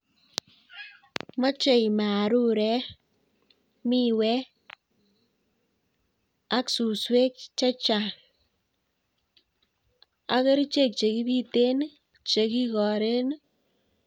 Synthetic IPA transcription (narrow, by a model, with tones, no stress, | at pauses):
ma˦t͡ʃe˨jma˨ɾu˦ɾɛ˦ | mi˦wɛ˦ | a˦ksu˨swe˦k̚t͡ʃa˦t͡ʃa˨ | a˦ke˦ɾi˦t͡ʃe˦˨k̚t͡ʃe˨ki˦bi˦te˦n | t͡ʃe˨ki˦kɔ˨ɾe˦n